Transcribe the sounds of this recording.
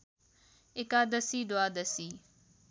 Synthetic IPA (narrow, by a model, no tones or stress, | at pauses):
ɪkaːd̪əsiːɖ̪ʊaːd̪əsiː